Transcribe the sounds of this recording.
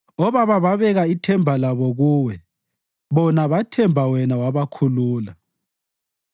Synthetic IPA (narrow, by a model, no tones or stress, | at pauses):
ɔβaβaβaβɛɣaitʰɛmbʱalaβɔɣuːwɛ | βɔnaβatʰɛmbʱawɛnawaβakʰuluːla